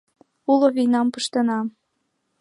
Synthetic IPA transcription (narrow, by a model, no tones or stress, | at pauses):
uloβijnɑmpɤʃt̪ɤ̆nɑ